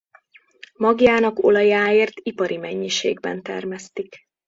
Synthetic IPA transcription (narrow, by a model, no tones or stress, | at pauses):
mɒɡjaːnɒko̞̰lɒjaːeːrt̪ipɒɾimɛɲːiʃḛːɡbɛ̰nt̪ɛ̰rmɛst̪ik